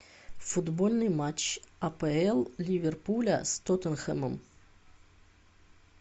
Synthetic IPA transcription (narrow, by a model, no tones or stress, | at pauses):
fʊd̪bolʲnɨjmat͡ɕɐpɛɛlˠlʲivʲerpulʲɐ̰st̪ot̪ənxɛməm